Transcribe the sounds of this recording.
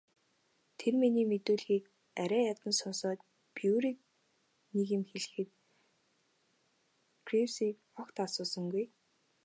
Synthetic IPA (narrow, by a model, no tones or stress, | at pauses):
t̪ʰerminiːmet̪uːɮɣiːk | æɾʲæːjat̪ə̆nsɔnsɔːt̪̚ | puːɾiːk̚ | niɣɘ̆mxeɮɘ̆xɘ̆t̪ | ɡriwsiːk | ɔkt̪asʊːsə̆ŋɡuj